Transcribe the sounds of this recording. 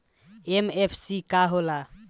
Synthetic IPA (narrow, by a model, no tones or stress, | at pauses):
emepʰsikaɦola